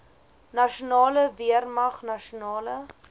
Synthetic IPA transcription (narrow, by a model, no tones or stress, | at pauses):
nɐʃunɑːləviərmɐχnɐʃunɑːlə